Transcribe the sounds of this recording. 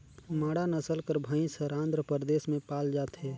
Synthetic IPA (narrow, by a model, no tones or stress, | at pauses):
maːɽanəsəlkəɾbʱəĩsəɾãːnd̪ɾəpəɾd̪eːsmẽpaːld͡ʒaːt̪ɦɛː